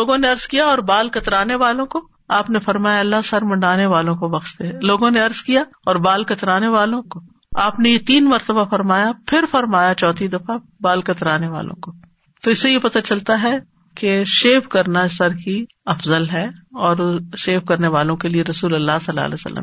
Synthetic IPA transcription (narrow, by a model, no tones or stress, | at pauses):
loːɡõneɐɾz̥kijaɔːɾbaːlkɐt̪ɾaːneʋaːlõko | aːpnefɐɾmaːjaɐlːaɦsɐɾmɐ̃ɳɖaːneʋaːlõkobɐɣʃt̪eɦɛloːɡõneɐɾz̥kija | ɔːɾbaːlkɐt̪ɾaːneʋaːlõko | aːpnejet̪iːnmɐɾt̪əbafɐɾmaːjapʰɪɾfɐɾmaːjat͡ʃɔːt̪ʰid̪ɐfa | baːlkɐt̪ɾaːneʋa̰ːlõ̰ko | t̪oɪsːejepɐt̪at͡ʃɐlt̪aɦɛ | keʃeːfkɐɾnasɐɾki | ɐfzəlɦɛɔːɾʃeːfkɐɾneʋaːlõkelieɾɐsuːlɐlːaɦsɐlːa̰ːlḛsɐ̰lːə̰m